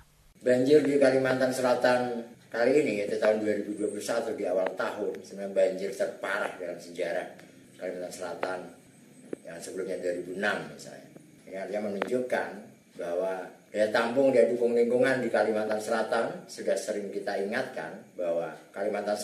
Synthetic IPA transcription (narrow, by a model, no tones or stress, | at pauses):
baɲd͡ʒɪrdikalimant̪ansəlat̪ankaliːniit̪ut̪aɦʊnduaɾibuduapulusat̪udiawalt̪aɦʊnsəmənaɲabaɲd͡ʒɪrt̪ərpaɾa̰hdalansəd͡ʒaɾa̰h | kalimant̪ansəla̰t̪an | jaŋsəbəlumɲaduaɾibunamjisa̰ja̰ | kaɲaɦart̪iɲamənuɲd͡ʒuka̰n | bahwad̥ajat̪ampʊŋdiadukʊŋliŋɡuŋandikalimant̪ansəlat̪ansudahsəɾɪŋkit̪aiŋat̪̚ka̰nbahwakalimant̪an